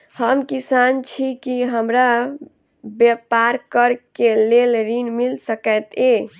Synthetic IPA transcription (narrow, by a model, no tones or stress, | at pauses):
həmkisant͡ʃʰikiɦəmɾa | bjepaɾkəɾkelelɾinmilsəkət̪e